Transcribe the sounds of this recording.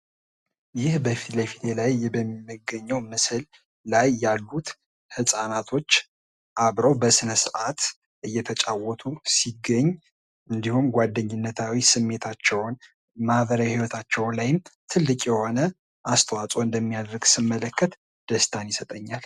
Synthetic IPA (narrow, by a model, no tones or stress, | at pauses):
jɪhbəfit̪lefit̪elajɛbəmmːɨɡəɲːɛwmɨsɨlː | ajːalːut̪ | hɨsʼanat̪ʰo̞t͡ʃː | ʔaβɾəwbəsɨnəsɨʔat̪ | ʔɨjːɛt̪ʰət͡ʃʼawɔt̪ʰusiɡəɲː | ʔɨnd̪ihumɡʷwad̪ːəɲːɪnːət̪ʰawisɨmːe̞t̪ʰat͡ʃːɛwn | mahβəɾajahiwɔt̪ʰat͡ʃːɛwnlajɪmt̪ʰɨlːɨkʼjɛho̞nə | ʔast̪ʰəwat͡sʼo̞ɨnd̪əmːijad̪ɾɡsɨmːələkːət̪ | d̪̥əst̪ʰanjɪsət̪ʼəɲːal